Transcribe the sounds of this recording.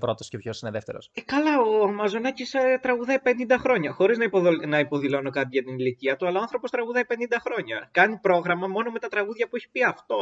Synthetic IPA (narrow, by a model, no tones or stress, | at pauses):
pɾo̞t̪oscepçosineðeft̪eɾosekɐlɐoɐmɐzo̞nɐcist̪ɾɐɣuðɐjpe̞nind̪ɐxɾo̞ɲɐxo̞ɾiznɐionɐipo̞ðilo̞no̞kɐt̪̬iʝɐt̪iniliciɐt̪uɐlɐɐnθɾo̞po̞st̪ɾɐɣuðɐjpe̞nind̪ɐxɾo̞ɲɐkɐnipɾo̞ɣɾɐmɐmo̞no̞me̞t̪ɐt̪ɾɐɣuðʝɐpueçi̥piɐft̪o̞